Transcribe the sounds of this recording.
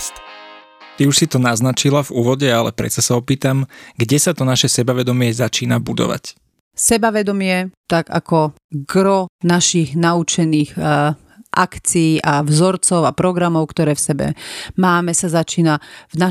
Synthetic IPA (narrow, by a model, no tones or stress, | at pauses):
t̪ | t̪iuʃsit̪ɔnaznat͡ʃilavuːʋɔɟɛalɛ̰pɾɛ̰t͡sasaɔpiːt̪amɡɟɛsat̪ɔnaʃɛsɛbaʋɛd̪ɔmɪɛzat͡ʃiːnabud̪ɔ̰ʋa̰c | sɛbaʋɛd̪ɔmɪɛt̪aɡa̰kɔ | ɡɾɔnaʃiɣnaut͡ʃɛniːɣ | ʔakt͡siːʔavzɔɾt͡sɔʊapɾɔɡɾamɔʊkt̪ɔɾɛːfsɛbɛ̰maːmɛsazat͡ʃiːnavna